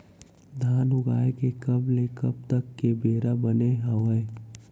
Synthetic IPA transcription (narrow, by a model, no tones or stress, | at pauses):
d̪ʱaːnʊɡaːekekɐblekɐb̚t̪əkːebeːɾabəneɦɐʋəe